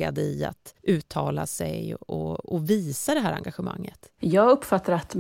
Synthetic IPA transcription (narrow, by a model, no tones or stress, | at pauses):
ad̪əɪa̰t̪ʉ̟ːt̪ʰɑːlasɛjɔɔviːsad̪ɛɦæːɾaŋɡaɧəma̰ŋːət̪jɑːɡɵpːfat̪ːaɾat̪